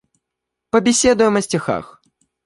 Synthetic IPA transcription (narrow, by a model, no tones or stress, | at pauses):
pəbʲɪsʲed̪ʊjɪmɐsʲtʲɪxa̰x